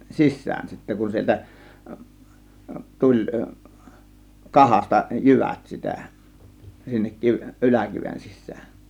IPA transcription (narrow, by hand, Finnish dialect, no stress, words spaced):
sisːæːn sitːæ kun sieltæ tulʲ kɑhɑstɑ jyʋæt sitæ sinːek kiʋ ʔylækiʋen sisːæːn